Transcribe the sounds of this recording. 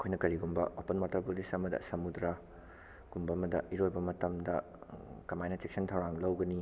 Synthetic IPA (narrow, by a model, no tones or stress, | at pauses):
ɐkʰojnɐkɐɾiɡumbɐopɐnmaɾtʰɐpulisɐmɐdɐ̰sɐmudɾɐ | ɡ̥umbɐːmɐdɐiɾojbɐmɐtɐmdɐ | kɐmajnɐt͡ʃek̚sɐntʰɐwɾaŋlɐwɡɐni